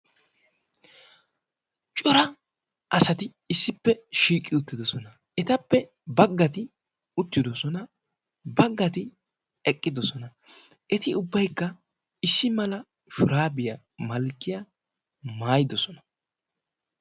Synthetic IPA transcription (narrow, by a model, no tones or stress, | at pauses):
t͡ʃʼʊɾɐ | ʔɐsɐt̪ɪ | ɪsːɪpːɛʃiːkʼːɪʊt̪ːɪd̪ɔsɔnɐ | ʔɛt̪ɐpːɛ | bɐɡːɐt̪ɪ | ʊt̪ːɪd̪ɔsɔnɐ | bɐɡːɐt̪ɪ | ɛkʼːɪd̪ɔsɔnɐ | ʔɛt̪ɪʊbːɐjkːɐ | ɪsːɪmɐlɐ | ʃʊɾaːbɪjɐ | mɐlkːɪja | maːjɪd̪ɔsɔnɐ